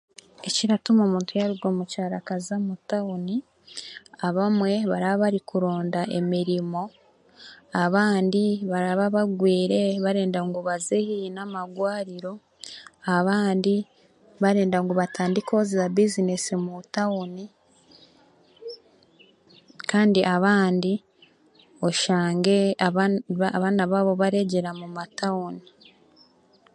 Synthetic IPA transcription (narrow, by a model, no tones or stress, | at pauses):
eciɾatumomuːntujaɾuɡwomucaɾakazamutauni | aβamwe̞βaɾaβaβaɾikuɾo̞ːndaʔe̞̰miɾimo̞ | aβaːndiβaɾaβaβaɡwiːɾe̞βaɾe̞ːndaŋɡuβazehinamaɡwaːɾiɾo̞ | aβaːndi | βaɾe̞ːndaŋɡoβatʰaːndikozizabizinesimutauni | kaːndiʔaβaːndi | oʃaːŋɡe̞ | βaːnaβaβo̞βaɾe̞ɟe̞ɾamumatauni